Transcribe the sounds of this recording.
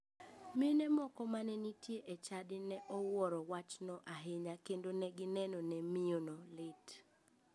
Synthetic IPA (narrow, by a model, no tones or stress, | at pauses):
mɪnɛmɔkɔmanɛnitjeʔet͡ʃadɪnɛʔɔwɔɾɔwat͡ʃnɔʔaɦɪɲakendonɛɡɪnɛnɔnɛmionɔlɪt